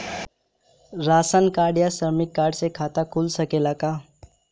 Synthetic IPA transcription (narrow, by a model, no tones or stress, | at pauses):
ɾasənkaɽjasəɾmikːaɾɖsekʰat̪akʰulsəkelaka